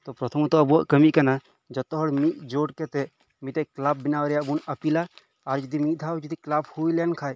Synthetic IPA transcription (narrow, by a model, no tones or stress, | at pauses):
t̪opɾɐt̪ʰəmt̪oɐbuakɐmikɐna | d͡ʒɐt̪oɦɔɽmid͡ʒoːɽket̪e | mit̪eklab̚binaːʋɾjabunɐpila | aɾd͡ʒid̪imid̪ʱaːwd͡ʒid̪iklabhuilenkʰaːj